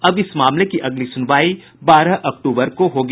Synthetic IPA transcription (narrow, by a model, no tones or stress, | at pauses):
ɐbɪsmaːmlekiʔɐɡlisʊnʋaːi | baːɾaʔɐk̚ʈuːbəɾkoɦoːɡ